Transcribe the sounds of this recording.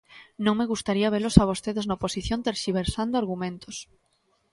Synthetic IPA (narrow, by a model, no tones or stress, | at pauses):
nõŋmeɣust̪aɾiaβ̞elosaβ̞ost̪eðeznoposiθjõnt̪eɾʃiβ̞eɾsand̪oaɾɣumẽnt̪os